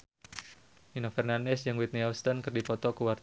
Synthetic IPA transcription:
inofɛrnandɛsjaŋwit̪̚niawst̪ənkɨrdipɔt̪ɔkuwart̪

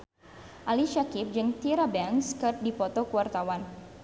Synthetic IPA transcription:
ʔaliʃakip̚d͡ʒɨŋt̪iɾabɛnskərt̪̚dipɔt̪ɔkuwart̪awan

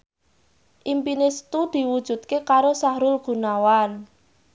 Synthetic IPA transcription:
ʔimpinɪst̪ud̪̥i̤wud̥ʒ̥ṳt̪̚kekaɾosahɾʊlɡ̥ṳnawan

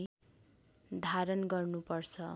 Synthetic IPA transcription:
d̪ʱaɾʌnɡʌrnupʌrt͡sʰʌ

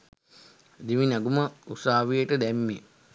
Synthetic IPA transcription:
d̪iʋinaɡuməusaːʋijəʈəd̪ɛmːi

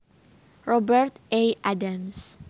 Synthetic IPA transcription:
ɹɔbɛɾt̪ejʔadams

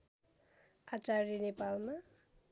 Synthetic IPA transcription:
at͡ʃaɾinepalma

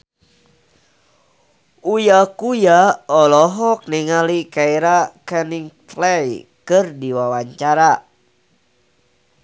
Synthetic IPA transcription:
ujakujaɔlɔɦɔk̚niŋalikaiɾakɛniŋt̪lɛjkɨrdiwawaɲt͡ʃaɾa

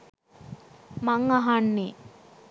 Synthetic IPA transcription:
maŋaɦanːe

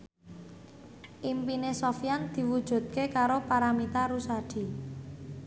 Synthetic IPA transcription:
ʔimpinesofjand̪̥i̤wud̥ʒ̥ṳt̪̚kekaɾopaɾamit̪aɾusad̥i̤

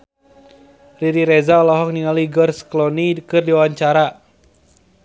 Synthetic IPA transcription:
riɾiɾɛzaɔlɔɦɔk̚niŋaliɡɔrsklɔnikɨrdiwawaɲt͡ʃaɾa

